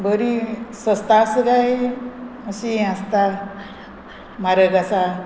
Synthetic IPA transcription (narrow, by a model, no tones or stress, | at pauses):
bəɾisəst̪asəɡaj | əsiast̪a | maɾəɡasa